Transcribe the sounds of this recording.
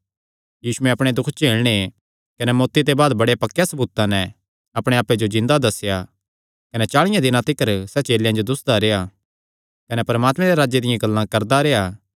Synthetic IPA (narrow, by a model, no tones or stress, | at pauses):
jiːsʊɛ̃ɐpɽ̃ed̪ʊkʰt͡ʃeːɭɽ̃e | kɐnɛmoːt̪ːit̪ebaːd̪bɐɽepɐkːejasɐbuːt̪ːãnɛ̃ | ɐpɽ̃ẽaːped͡ʒod͡ʒɪ̃nd̪ad̪ɐsːja | kɐnɛt͡ʃaːɭɪjãd̪ɪnãt̪ɪkəɾsɛt͡ʃeːljãd͡ʒod̪ʊsd̪aɾea | kɐnɛpɐɾəmaːt̪mɛ̃ɾeɾaːd͡ʒed̪ɪjãɡɐlːãkɐɾd̪aɾeːaː